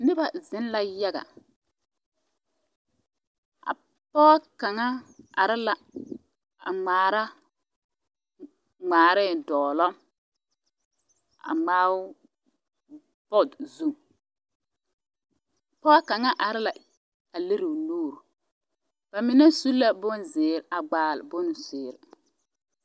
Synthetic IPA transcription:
nɪ˦ba˨zɪ˦n˦la˨ja˦ɡa̰˨ | a̰˨ | pɔ˦a˦ka˨ŋa˦a̰˨ɾɪ˦la˨ | a̰˨ŋ͡maː˨ɾa˦ | ŋ͡maː˨ɾɛ˦˨dɔː˨lɔ˦ | a̰˨ŋ͡maː˦w | bɔ˦˨dzu˦m˨ | pɔ˦ka˨ŋa˦ʔa˨ɾɪ˦la˨ | a˨le˦ɾɪ˨nuː˦˨ɾ | b̥a˨mɪ˨na˦su˦la˦bʊ˦nzɪː˨ɾa˨ɡ͡baː˨lbʊ˦nsɪː˨ɾɪ˨

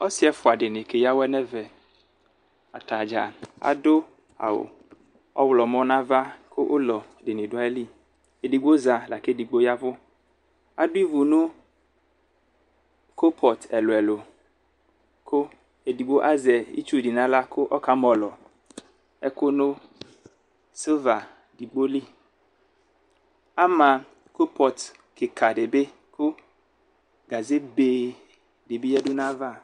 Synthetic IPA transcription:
ɔ˦sɪ˦ɛ˦fʊ˨a˨dɪ˨nɪ˨ke˨ja˦wɛ˦nɛ˦vɛ˨ | a˨t̪a˨d͡ʒa˨a̰˨dʊ˦ | a̰˨wʊ̰˨ | ɔ̰˦wlɔ˨mɔ̃˦nã˦va˦kʰʊ˦ʔʊ˦lɔ˨dɪ˨nɪ̃˨dʊ˨˦a˦ɛ˦li˦ | e˨di˨ɡ͡bo˦za˨la˨ke˦di˨ɡ͡bo˦ja˦bʊ˦ | a̰˨dʊ˦i˦vu˨nʊ̃˦ | ko˦pʰɔ˨tɛ˨lʊ˨ɛ˨lʊ˨ | kʰʊ˦ | e˨di˨ɡ͡bo˦ʔa˦zɛ˨ḭ˦t͡ʃu˦˨di˨nã˦la˦kʊ˦ʔɔ˦ka˨mɔ˨lɔ˨ | ɛ˦kʊ˦nʊ̃˦ | so˦va˨ | di˨ɡ͡bo˦li˦ | a˦mã˨ | ko˦pʰɔ˨t | kɪ˨kʰa˨ɖe˨be˦ | kʊ˦ | ɡa˨ze˦be˨ | de˨bi˦ɛ˦dʊ˦nã˦va˦˨

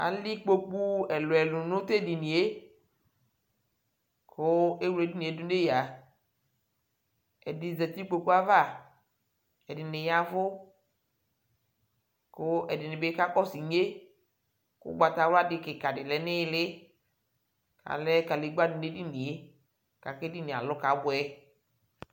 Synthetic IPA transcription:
a̰˨li˦k͡po˦k͡pu˦ɛ˨lʊ˨ɛ˨lʊ˨nʊ̃˦t̪e˦˨dɪ˨ni˨e˦ | kʰʊ˦e˦wu˦˨e˨˦di˦nĩ˨e˨˦dʊ˦de˦ja˨ | ɛ˨dɪ˨zɛ˨t̪i˦k͡po˨ku˦a˦va˦˨ | ɛ˨dɪ˨nɪ˨ja˦vʊ˦ | kʊ˦ɛ˨dɪ˨nɪ˨be˦ka˦kɔ˦si˨ɲe˦ | kʊ̰˦ɡ͡ba˨t̪a˨wla˦dɪ˨kɪ˨ka˨dɪ˨lɛ˨˦nɪ˦lɪ˦ | ka̰˨lɛ˦ka˨le˨˦ɡ͡ba˦dɪ˨ne˦dɪ˦ni˨e˦ | ka˨kɛ˦dɪ˦nĩ˨a̰˨lʊ˦ka˨˦bʊ˨ɛ˦

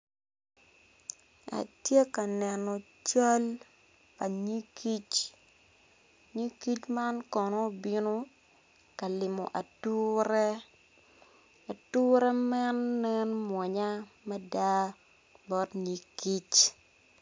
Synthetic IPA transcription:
a̰˨tje˦ka˨nɛ˨nɔ˨ | t͡ʃa˦l | pa˨ɲi˦ki˦t͡ʃ | ɲi˦ki˦t͡ʃma˦nkɔ˨nɔ˦˨bi˦no˦ | ka˨lɪ˨mɔ̰˨ʔa˨tu˦ɾɛ˦ | a˨tu˦ɾɛ˦mɛ˦nːɛ˦nmwɔ˨ɲa˦ | mɛ˦da˦ | bɔ˦tɲi˨˦ki˦t͡ʃ

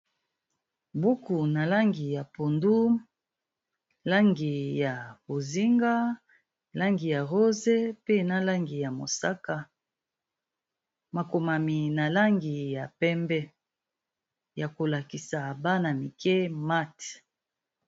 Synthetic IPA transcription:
bu˦ku˨na˨la˦ŋɡi˨ja˨po˨ndu˦m | la˦ŋɡi˨ja˨bo˨zi˦ŋɡa˦ | la˦ŋɡi˨ja˨ʁo˦ze˦pe˦na˦la˦ŋɡi˨ja˨mo̰˨sa˦ka˨ | ma˨ko˨ma˨mi˨na˨la˦ŋɡi˨ja˨pɛ˦mbɛ˦ | ja˨ko˨la˨ki˨sa˨ba˦na˨mi˨kɛ˦ma˦t

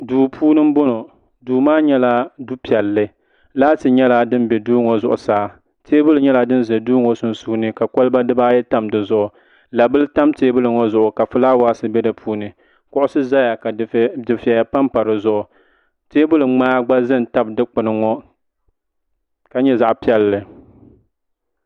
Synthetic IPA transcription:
duː˨pʰuː˦nɨ˦m˦bo˦no˨ | duː˨maː˦ɲɛ˦la˦du˦pi˨ɛ˨lːɨ˦ | laː˦tɨ˨ɲɛ˦la˦dɨ˦nbɛ˨duː˦ŋɔ˨zʊ̰˨ʔʊ̰˨saː˨˦ | teː˦bʊ˦lɨ˨˦ɲɛ˦la˦dɨ˦n˦zɛ˨duː˦ŋɔ˦sʊ˨n˨su˦nɨ˦ka˨ko˦lba˦dɨ˦baː˦jɛ˦ta˦mdɨ˨zʊ˦ʔʊ˨ | la˨bɨ˦lɨ˦ta˦mteː˦bʊ˦lɨ˨ŋɔ˦zʊ˨ʔʊ˨ka˨fɨ˦laː˦waː˦sɨ˦bɛ˦dɨ˨pʰuː˦nɨ˨ | kʊ˦ʔʊ˦sɨ˦za˦ja˨ka˨dɨ˨fi˨ɛ˨ja˨pa˦mpa˨ɾɨ˨zʊ˦ʔʊ˨ | teː˦bʊ˦lɨ˨ŋ͡maː˦ɡ͡ba˦zɨ˦n˨ta˦b̚dɨ˦k͡pʊ˨nɨ˨ŋɔ˦ | ka˨ɲɛ˦za˨ʔpi˦ɛ˨lːɨ˨

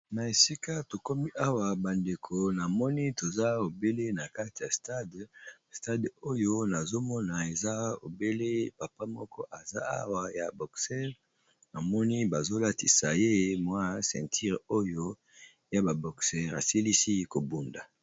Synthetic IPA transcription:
na˨e˨si˦ka˦to˨ko˦mi˦ʔa˦wa˨ba˨nde˨kʰo˨na˨mɔ˦ni˦to˨za˦o˨be˦le˦na˨ka˦ti˨ja˨sta˦dsta˦do˦jo˦na˨zo˦mɔ˦na˨e˨za˦o̰˨be˦le˦pa˨pa˦mɔ̰˦kɔ˦ʔa˨za̰˦a̰˦wa˦ja̰˨bɔ˨ksɛ˦ʁ | na˨mɔ˦ni˦ba˨zo˦la˦ti˨sa˨je˦mwa˦sɛ̰̃˨tʰi˦ʁo˦jo˦ | ja˦ba˨bɔ˨ksɛ˦ʁa̰˨si˦li˦si˦ko˨bu˨nda̰˨

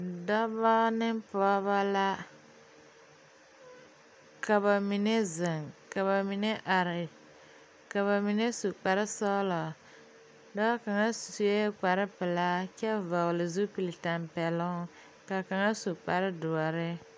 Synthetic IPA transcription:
da˦ba˦nɪ˦mpɔ˦a˦βa˦la˦ | ka˨ba˨mi˨ne˦zɪ˨ŋka˨βa˨mi˨ne˦ʔa˨ɾɪ˨ | ka˨βa˨mi˨ne˦su˨k͡pa˨ɾɪ˦sɔ˦lɔ˨ | da˦ka˨ŋa˦ssu˦e˦k͡pa˨ɾɪ˦pɪ˨la˦kɛ˦vɔ˨ɣlɪ˨zu˦pi˨li˨ta˨mpɛ˨lʊ˦ŋ˦ | ka˨ka˨ŋa˦su˨k͡pa˨ɾɪ˦dʊ˨a˨ɾɪ˦

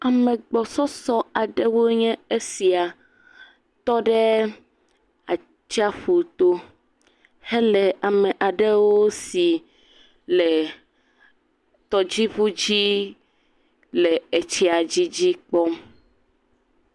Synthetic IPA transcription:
a˨mẽ˨ɡ͡bɔ˨sɔ˦sɔ˦a˨ɖe˦wo˦ɲɛ̃˦e˦si˨a˨ | t̪ɔ˦ɖɛ˦ | a˨ | t͡ʃi˦a˦ɸu˨t̪o˦ | he˦le˨a˨mẽ˨ʔa˨ɖe˦wo˦si˨ | le˨ | t̪ɔ˦d͡ʑi˦ɸu˦d͡ʑi˦ | le˨e˨t͡ɕi˦a˨d͡ʑi˦d͡ʑi˦k͡pɔ˦

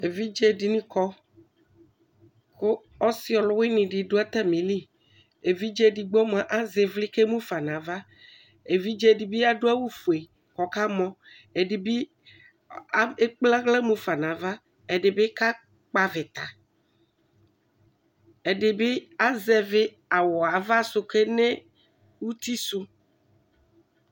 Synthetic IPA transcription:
e˨vi˦d͡ʒe˦di˨nĩ˦kɔ˦ | ko˦ | ɔ˦si˦ɔ˨lʊ˦we˦nĩ˨ɖi˨ɖo˦a˦t̪ɛ˦mĩ˨li˦ | e˨vi˦d͡ʒe˦di˨ɡ͡bɔ˦m˨a˨ʔa˦ze˨vli˦ke˦mũ˦fa˨nã˨va˦ | e˨vi˦d͡ʒe˦˨di˨bi˦a˦ɖo˦a˦wu˦fu˨e˨ | kɔ˨ka˦mɔ̃˦ | e˨ɖi˨bi˦ | a˦e˦k͡pla˦ɣle˦mũ˦fa˨nã˨va˦ | e˨ɖe˨be˦ka˦ | k͡pa˦ve˨t̪a˨ | e˨ɖe˨be˦a˦zɛ˨ve˦ | a˨wɔ˨a˨va˦so˦ke˦nẽ˦ | wu˦t̪i˦su˦

